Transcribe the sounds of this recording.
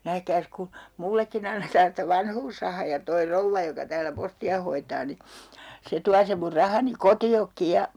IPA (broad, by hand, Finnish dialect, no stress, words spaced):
næhkæːs ku mulːekːin ɑnːetɑːn sĭtæ ʋɑnhuːsrɑhɑː jɑ toi rouʋːɑ jokɑ tæːlæ postiɑ hoitɑː ni se tuɑ sem mur rɑhɑni kotiokːi jɑ